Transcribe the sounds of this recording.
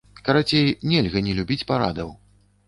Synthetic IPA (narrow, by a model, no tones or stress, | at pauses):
kɐɾat͡sʲejnʲɛlʲɣɐnʲɛlʲubʲit͡sʲpaɾa̰d̪ɐw